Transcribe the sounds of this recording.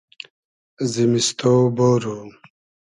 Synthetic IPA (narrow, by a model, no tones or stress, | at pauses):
zimist̪oboːɾo